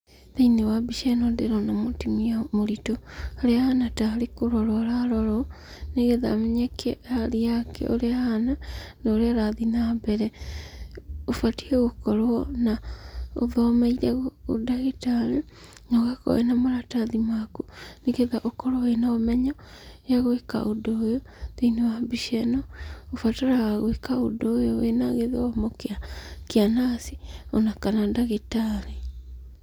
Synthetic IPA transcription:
ðeinewabiʃɛnɔdeɾɔnamotimiamoɾitohaɾeahanataɾekoɾɔɾɔɾaɾɔɾɔ | neɣeða̰meɲɛkʰeaɾiakʰɛ̰ʔo̰ɾeahananaoɾeaɾaðinabɛɾɛ | ofatiɛɣokɔɾwɔnao̰ðɔmaiɾɛɣoo̰daɣitaɾi | ɲɔɣakɔ̰ḛnamoɾataðimakuneɣeðaʔokɔɾoenaɔmɛɲɔ | jaɣoeka̰ʔodojo | ðinewabiʃɛnɔofataɾawaɣoekao̰dojowenaɣeðoɔmokeakeanasionakanadaɣitaɾi

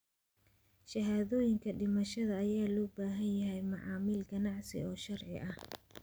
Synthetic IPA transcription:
ʃɐɦaːðɔːjɪŋkʰɐɖɪmɐʃɐðɐːjaːlɔːbaːɦɐnjɐɦɛjmɑʕɑːmɪlɡɐnɑʕsɪ̰ɔːʃɐrʕɪ̰ʔɐh

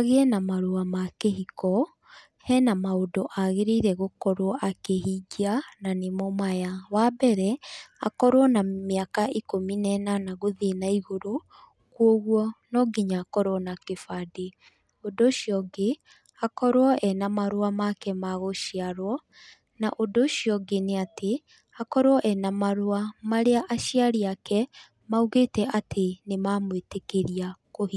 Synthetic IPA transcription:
aɣeɛnamaɾuamakeɦikɔ | hɛnamaodɔʔaɣeɾiɾɛɣokɔɾwɔʔakeɦiɟiananemɔmajawabɛɾɛa̰kɔɾwɔnameakaʔikominɛnanaɣoðenaiɣoɾo | kwoɣwɔnɔɡiɲaːkɔɾwɔnakefade | odoʃjɔɡe | akɔɾwɔʔɛnamaɾowamakɛmaɣoʃiaɾwɔ | naʔodoʃiɔɡeneatʰe | akɔɾwɔʔɛnamaɾoamaɾeaʔaʃiaɾiakɛ | mauɣetɛʔatʰenemamwetekeɾiakohi

